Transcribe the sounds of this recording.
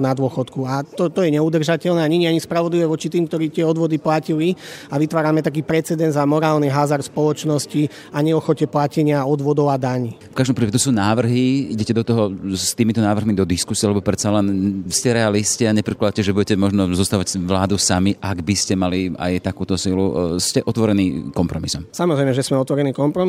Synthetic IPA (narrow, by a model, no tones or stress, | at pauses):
nad̪ʊɔxɔt̪kuat̪ɔt̪ɔjɛɲɛud̪r̩ʒacɛlnɛaɲɛɲiaɲispɾaʋɔd̪liʋɛʋɔt͡ʃit̪iːmkt̪ɔɾiːt̪ɪɛɔd̪ʋɔd̪iplaciliaʋit̪ʋaːɾamɛt̪ak̬iːpɾɛt͡sɛd̪ɛnd̪zamɔɾaːlniɦazaɾspɔlɔt͡ʃnɔsci | aɲɛɔxɔcɛplacɛɲɪaɔd̪ʋɔd̪ɔʊad̪aɲiːfkaʒd̪ɔmpɾipɛt̪ɔsuːnaːʋr̩ɦiiɟɛcɛd̪ɔt̪ɔɦɔst̪iːmit̪ɔnaːʋr̩ɦmid̪ɔd̪iskusiɛalɛbɔpɾɛt̪salɛnscɛɾɛalisciaɲɛpɾɛklad̪acɛʒɛbuɟɛcɛmɔʒnɔzɔst̪aːʋacʋlaːd̪usamiʔaɡbiscɛmalia̰jt̪akuːt̪ɔsiːluscɛʔɔt̪ʋɔɾɛniːkɔmpɾɔmisɔmsamɔzɾɛjmɛʒɛsmɛɔt̪ʋɔɾɛniːkɔmpɾɔ